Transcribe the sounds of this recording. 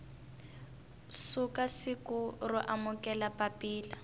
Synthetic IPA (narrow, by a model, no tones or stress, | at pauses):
sukasikʊrʊʔamʊkɛlapapiːla